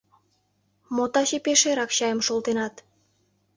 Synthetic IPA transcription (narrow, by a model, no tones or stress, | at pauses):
mot̪ɑʃepeʃeɾɑkɕɑjə̆mʃolt̪enɑt̪